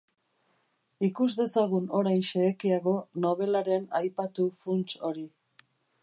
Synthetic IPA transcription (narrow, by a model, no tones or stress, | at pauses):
ikuzd̪e̞saɣuno̞ɾajnʃeːkiaɣo̞no̞β̞e̞laɾe̞najpat̪ufunt͡ʃo̞ɾi